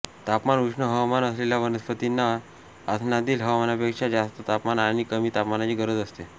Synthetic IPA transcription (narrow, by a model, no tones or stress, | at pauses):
t̪apmanuʂɳəɦəʋmanəsleljaʋənəspət̪inːa | at̪ʰnad̪iːlɦəʋmanapekʂad͡zast̪ət̪apmanaɽ̃ikəmiːt̪apmanat͡ɕiːɡəɾəd͡zəst̪e